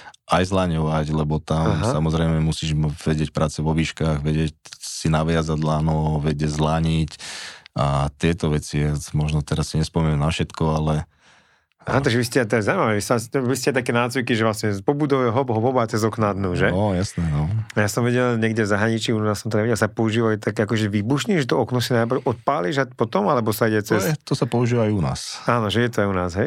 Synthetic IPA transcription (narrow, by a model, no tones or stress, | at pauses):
ʔajzlaɲɔʋaɟlɛbɔt̪amɦsamɔzɾɛɪmɛmusiːʒʋɛɟɪɛc̚pɾʔaːt͡sɛʋɔʋiʃkaːɣʋɛɟɛcsinaʋɪazaɟlaːnɔʋɛɟɛɟzlaɲicat̪ɪɛt̪ɔʋɛt͡siɛmɔʒnɔt̪ɛɾasːiɲɛspɔmɛɲɛnafʃɛt̪kɔalɛ | aːnɔt̪aɡʒɛʋiscɛat̪ɔjɛzawimaʋɛʋisaʋis̬cɛat̪akɛːnaːd͡zʋikiʒɛʋlasɲɛpɔbud̪ɔʋɛɦɔbɦɔbɔbat͡sɛzɔknad̪nuʒɛɔjasnɛːnɔajasɔmʋɛɟɛlɲɛɡɟɛvzaɦɾaɲit͡ʃiːunaːsːɔmt̪ɔɲɛʋɛɟɛlsapɔuʒiːʋaut̪akɛakɔʒɛʋiːbuʃɲiʒɛt̪ɔɔknɔsinajpɾrʔɔt̪̚paːliʒapɔt̪ɔmalɛbɔsaiɟɛt͡sɛst̪ɔsapɔuʒiːʋaajuna̰ːsaːnɔʒɛjɛt̪ɔajunaːzɦɛj